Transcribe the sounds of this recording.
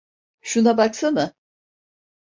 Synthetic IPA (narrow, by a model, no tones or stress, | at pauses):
ʃunabaksɯmɯ